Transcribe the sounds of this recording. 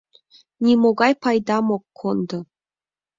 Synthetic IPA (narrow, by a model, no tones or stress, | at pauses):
nʲimoɡɑjpɑjd̪ɑmokʰːond̪ɤ̆